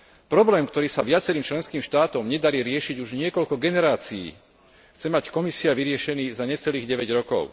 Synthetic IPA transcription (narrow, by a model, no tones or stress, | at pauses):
pɾɔblɛːmkt̪ɔɾiːsaʋɪat͡sɛɾiːmt͡ʃlɛnskiːmʃt̪aːt̪ɔmɲɛd̪aɾiːɾɪɛʃiɟuʒɲɪɛkɔʎkɔɡɛnɛɾaːt͡sijḭː | xt͡sɛmackɔmisiaʋiɾɪɛʃɛniːzaɲɛt͡sɛliːɣɟɛʋɛɟɾɔkɔ̰ʊ